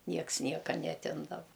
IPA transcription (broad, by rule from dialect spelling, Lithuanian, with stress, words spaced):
ˈnʲiɛks ˈnʲiɛkɐ nʲɛɐˈtʲɪmdɐʋɐ